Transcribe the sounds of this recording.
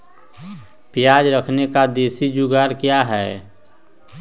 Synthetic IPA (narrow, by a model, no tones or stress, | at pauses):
pɪjaːd͡ʒɾəkʰnekad̪eːsid͡ʒʊɡaːɾkjaɦɛː